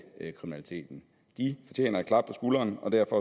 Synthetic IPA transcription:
kʰʁiminælit͡sʰe̝̰ːd̥n̩ | d̥ifɒ̽t͡ɕʰjḛːnɐ̥kʰlɑ̈b̥̚pʰɒ̽sɡ̥ulɐːnɒ̽d̥æɐ̰fɒ̽

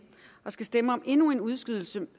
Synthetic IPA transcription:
ʔɒ̽sɡ̥æsd̥eməɒ̽mʔe̝nue̝nuð̞ˠsɡ̥yð̞̰ˠl̩sə

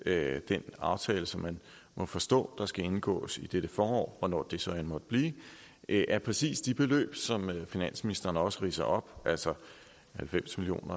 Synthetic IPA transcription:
d̥enɑ̈ʊt͡sʰɛːləsɒ̽mːæn | mɒ̽fɒ̽sd̥ɔ̰̽ːd̥ɑ̈sɡ̥æe̝nɡ̥ɔ̰ːsid̥ed̥əfɒːɒ̰ːʋɒnɒ̰ːd̥e̝sɒ̽ænmɒ̽d̥əb̥liː | ʔʔæɐpʰʁɛsḭːsd̥ib̥e̝lø̰ːb̥sɒ̽mfinæn̰sminisd̥ɐnəɒ̽səʁḭːsɐʔɒ̽b̥ʔæl̰sɒ | hælfem̰smilio̝̰ːnɐ

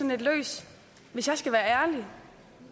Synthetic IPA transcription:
ɒ̽ne̝d̥lø̰ːs | ʋe̝sjɑ̈ɪsɡ̥æʋæːɐæɐli

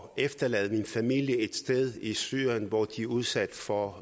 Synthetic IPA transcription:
efd̥ɐlɛ̰ːð̞̩ˠminfæmil̰jəe̝d̥sd̥eð̞ˠisy̰ːnʋɒd̥iuð̞ˠsæd̥fɒ

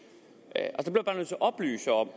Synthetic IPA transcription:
ʔælsd̥eb̥le̥b̥ɑːnoðˠt͡sʰeʔɒ̽b̥ly̰ːsəɒ̽m̰

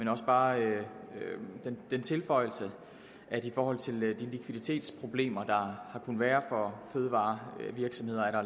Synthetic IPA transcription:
menɒ̽səb̥ɑ̈ːøød̥end̥ent͡sʰe̝lfɒ̽ɪ̰l̩sə | ʔæ̥ifɒːhɒ̽l̰t͡sʰe̝ld̥inlikʰʋiðˠit͡sʰe̝̰ːd̥spʰʁo̝b̥le̝̰ːmɐd̥ɑ̈hɑ̈kʰun̩ʋæːɐfɒ̽føːð̞ˠʋɑ̈ːʋiɐɡ̥sɒ̽mhe̝ð̰ˠɐæɾ̥ɑ

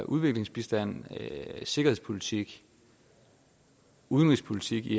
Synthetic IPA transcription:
ʔuð̞ˠʋe̝ɡ̥le̝ŋsb̥isd̥æn̰ | se̝ɡ̥ɐhe̝pʰolit͡sʰiɡ̥ | uðˠənʁispʰo̝lit͡sʰiɡ̥i

